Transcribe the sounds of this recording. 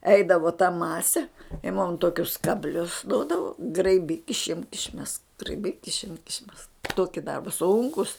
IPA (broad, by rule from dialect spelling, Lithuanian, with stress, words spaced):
ˈɛɪdɐʋoː tɐ ˈmɑːsʲɛ ɪ mʊm ˈtoːkʲʊs kɐbʲˈlʲʊs ˈduɔdɐʋoː ɡrɐɪˈbʲiːk ɪʃʲˈɪmk ɪʃʲˈmʲɛsk ɡrɐɪˈbʲiːk ɪʃʲˈɪmk ɪʃʲˈmʲɛsk ˈtoːkʲɪ ˈdɐrbɐ ˈsʊŋkʊs